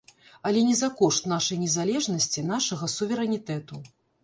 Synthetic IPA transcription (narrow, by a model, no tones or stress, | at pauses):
ɐlʲɛnʲɛzakɔʂt̪naʂɐjnʲɛzalʲɛʐnɐsʲt͡sʲinaʂɐɣɐsuvʲɛɾɛnʲit̪ɛt̪u